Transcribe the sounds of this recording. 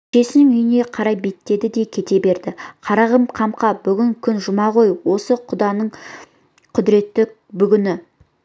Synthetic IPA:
ʃe̞sɪnɪŋʏjɪne̞qʰɑɾɑjbe̞t̪ːe̞d̪ɪd̪e̞kʲʰe̞t̪e̞be̞ɾd̪ɪqʰɑɾɑʁəmqʰɑmqɑbʏɡʲɪŋkʲʰʏnʒʊmɑʁo̞jwo̞səqʰʊd̪ɑnəɴ | qʰʊd̪ɪɾe̞t̪ːɪ | bʏɡʲɪnɪ

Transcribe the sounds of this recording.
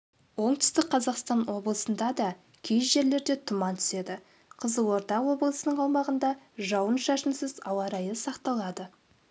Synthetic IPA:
wo̞ɴt̪ʰʏ̥st̪ɪk̚qʰɑzɑqst̪ɑnwo̞blˠəsənd̪ɑd̪ɑ | kʲʰejʒe̞ɾle̞ɾd̪e̞t̪ʰʊmɑnt̪ʰʏ̥se̞d̪ɪ | qʰəzəwo̞ɾt̪ɑwo̞blˠəsənəɴɑlˠmɑʁənd̪ɑʒɑwənʃɑʃənsɪzɑ̰wɑɾɑjəsɑqt̪ɑlˠɑd̪ə

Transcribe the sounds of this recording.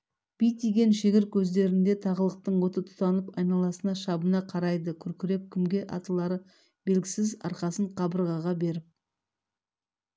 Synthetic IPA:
b̥ijt̪ijɡʲe̞nʃeɡʲɪɾ̚kʲʰɵzd̪e̞ɾɪnd̪e̞t̪ʰɑʁəlˠəq̚t̪əɴwo̞t̪ət̪ʰʊ̥t̪ɑnəpɑjnɑlˠɑsənɑʃɑbənɑqʰɑɾɑjd̪əkʲʰʏɾkʲɪɾe̞p̚kʲʰɪmɡʲe̞ʔɑ̰t̪əlˠɑɾə | be̞lɡʲɪsɪzɑ̰ɾqɑsəɴqʰɑbəɾʁɑʁɑbe̞ɾɪp̚

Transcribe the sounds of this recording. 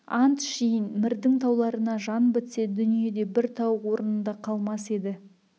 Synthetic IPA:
ɑnt̪ʃijənmɪɾd̪ɪŋt̪ʰɑwlˠɑɾənɑʒɑnbɪt̪se̞d̪ʏnije̞d̪e̞bɪɾt̪ʰɑwwo̞ɾənənd̪ɑqʰɑlˠmɑse̞d̪ɪ

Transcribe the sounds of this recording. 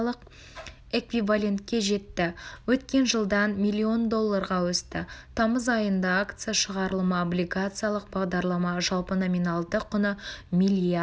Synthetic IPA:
lˠəq | e̞kvivalʲe̞nt̪̚kʲe̞ʒe̞t̪ːɪwɵt̪kʲe̞nʒəlˠd̪ɑnmʲilʲːio̞nd̪o̞lˠːaɾʁɑwɵst̪ɪt̪ʰɑməzɑjənd̪ɑakt̪sɨjaʃəʁɑɾəlˠəməoblʲijɡat̪sɨjalˠəq̚bɑʁd̪ɑɾlˠɑmɑʒɑlˠpəno̞mʲinɑlˠd̪əqʰːʊnəmʲilʲia

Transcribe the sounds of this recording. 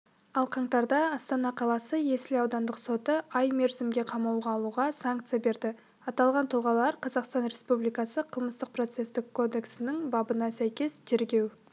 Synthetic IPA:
ɑlˠqʰɑɴt̪ɑɾd̪ɑɑst̪ɑnɑqʰɑlˠɑsəje̞sɪlɑwd̪ɑnd̪əqso̞t̪əʔɑjme̞ɾzɪmɡʲe̞qʰɑmɑwʁɑːlˠuʁɑsaŋkt̪sijabe̞ɾd̪ɪ | ɑt̪ɑlˠʁɑnt̪ʰʊlˠʁɑlˠɑɾqʰɑzɑqst̪ɑnɾe̞spublijkɑsəqʰəlˠməst̪əq̚pro̞t̪se̞st̪ɪkʰːo̞d̪e̞ksɪnɪŋbɑbənɑsæjkʲe̞st̪ʰe̞ɾɡʲe̞w

